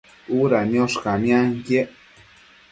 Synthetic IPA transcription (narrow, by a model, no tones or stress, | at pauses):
uɾanjoʃkamjaŋkeʔ